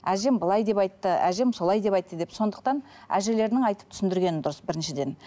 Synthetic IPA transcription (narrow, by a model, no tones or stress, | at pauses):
æʒe̞mbəlˠɑjd̪e̞pɑjt̪ːəæ̰ʒe̞mso̞lˠɑjd̪e̞pɑjt̪ːəd̪e̞pso̞nd̪əq̚t̪ɑn | æ̰ʒe̞le̞ɾɪnɪŋɑjt̪əp̚t̪ʰʏ̥sɪnd̪ɪɾɡʲe̞nɪnd̪ʊɾəsbɪɾɪnʃɪd̪e̞n